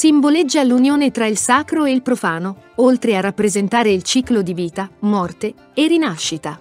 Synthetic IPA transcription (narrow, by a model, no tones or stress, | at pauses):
siɱboled͡ʒːalunjoːnet̪ɾailsaːkɾoeilpɾofaːnoolt̪ɾearːapːɾezent̪aːɾeilt͡ʃiːklod̪iviːt̪amɔrt̪e | erinaʃːit̪a